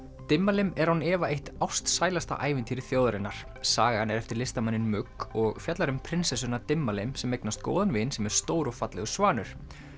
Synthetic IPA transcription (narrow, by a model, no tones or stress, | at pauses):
t̪ɪmːalɪmɛɾ̥hunɛːvaejht̪awst̪saːjlast̪a̰ʔaːjvɪnt̪ʰiːɾɪθjoːwðaɾɪnːaɾ̥ | saːɣanɛɾɛft̪ɪɾlɪst̪amanːɪnmʏkɔɣfjat̪laɾʏmpʰɾɪnsɛs̬ʏnat̪ɪmːalɪmsɛmːejknast̪̚ko̰ːwðanvɪnsɛmɛɾ̥st̪oːwɾɔɣfat̪lɛ̰ɣʏ̥svaːnʏɾ̥